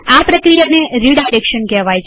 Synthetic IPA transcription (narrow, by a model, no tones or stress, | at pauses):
apɾəkɾijaneɾiɖajɾekʃənkɛʋajt͡ʃʰ